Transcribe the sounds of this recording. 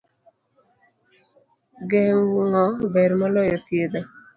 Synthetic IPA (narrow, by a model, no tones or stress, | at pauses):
ɡeŋwuŋɔbɛɾmɔlɔjɔt̪jed̪ɔ